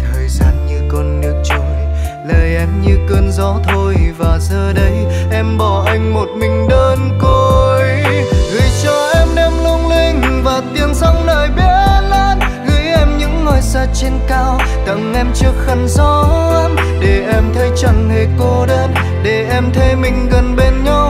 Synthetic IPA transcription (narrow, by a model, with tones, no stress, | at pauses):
t̪ʰəː˨˩jzaː˧nɲɨ˧kɔ˧˩nːɨ˦˥ək̚t͡ɕo˧˨˦jləː˨˩jʔɛ˧mɲɨ˧kəː˧nzɔ˨˦t̪ʰo˧jvaː˨˩zəː˧ɗə˨˧˦j | ʔɛ˧mɓɔ˧˩ʔa˧jŋ̟mo˨˩t̚mï˨˩ŋ̟ɗəː˧nko˧jɣɨ˧˦jt͡ɕɔ˧ʔɛ˧mɗɛ˧mlu˧əŋli˧ŋ̟vaː˨˩t̪i˨˧˩ənsa˧wŋ͡mnəː˧˨˩jɓi˧˦laː˧˥n | ɣɨ˧˦jʔɛ˧mɲɨ̰˧˥ŋːɔ˨˩jsaː˧˥t͡ɕe˧nkaː˧w | t̪ə̰˧˩ŋʔɛ˧mt͡ɕɨ˧ək̚xə˧˩nzɔ˨˦a˧m | ɗe˧˩ʔɛ˧mt̪ʰə˨˦jt͡ɕə˧˩nhe˧˨˩ko˨˧˦ɗəː˧n | ɗe˨˩ʔɛ˧mt̪ʰe˧mï˨˩ŋ̟ɣə˨˩nɓe˧nɲa˧w